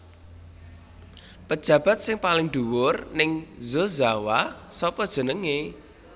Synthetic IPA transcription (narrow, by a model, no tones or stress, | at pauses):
pəd̥ʒ̥ä̤b̥a̤t̪̚sɪŋpalɪŋd̪̥uwʊrnɪŋzozawasɔpɔd̥ʒ̥ə̤nəŋe